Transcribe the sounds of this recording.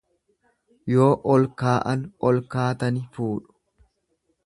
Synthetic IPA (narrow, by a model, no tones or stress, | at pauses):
jo̞ːʔɔlkaːʔɐnɔlkaːt̪ɐnɪfuːᶑʊ̥